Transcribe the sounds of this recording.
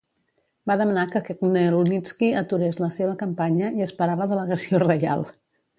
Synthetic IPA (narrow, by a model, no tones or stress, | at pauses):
baðəmənakəkeknelunit͡skiət̪uɾezləseβ̞əkəmpaɲəiəspəɾaβəðələɣəsiorəja̰lˠ